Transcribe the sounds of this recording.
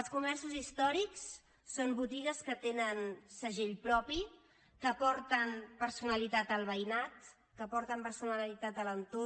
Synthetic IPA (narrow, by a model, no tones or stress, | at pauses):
əlˠskumɛrsuzist̪ɔɾiks | sombut̪iɣəskət̪enənsəʒeʎpɾɔpi | kəpɔɾt̪ənpəɾsunəlit̪at̪əlˠβəjnat̪ | kəpɔɾt̪əmpəɾsunəllit̪at̪ələnt̪o